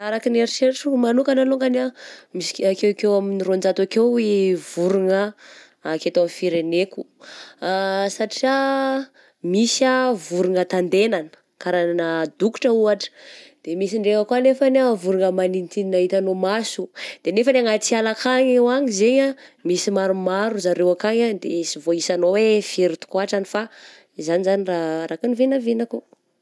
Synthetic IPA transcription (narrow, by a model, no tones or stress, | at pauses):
aɾakineɾiʃeʈ͡ʂumanukanaloŋɡanamisi̥akewkewaminirond͡ʒat̪akewivuɾuŋə | ket̪afiɾeneku | saʈ͡ʂia | misavuɾuŋət̪and̪enanə̥ | kaɾananəd̪uku̥ʈ͡ʂəuaʈ͡ʂə̥d̪̥emisiɳɖ͡ʐeŋakuanefanevuɾuŋəmaninit̪ininaɦit̪anomasud̪̥enefənaŋat͡sialakaɲewaɲizeɲamisimaɾumaɾuzaɾewakaɲand̪esivoisanowefeɾit̪u̥kuaʈ͡ʂanifa | izanizaniraɾakanivenavenaku